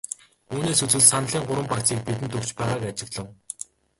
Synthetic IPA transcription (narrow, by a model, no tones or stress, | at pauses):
uːneːsɵt͡swɘ̆ɮsanə̆ɮiːŋɢʊɾwə̆mpakt͡siːk̚pit̪̬ɘ̆nt̪ɵkt͡ɕpæːʁaːkat͡ɕɪ̆ɣɮə̆w